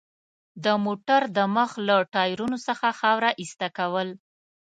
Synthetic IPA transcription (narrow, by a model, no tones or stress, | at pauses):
d̪əmoʈaɾd̪əməxlaʈɑjɾunosəxaxɑwɾaʔist̪akawəl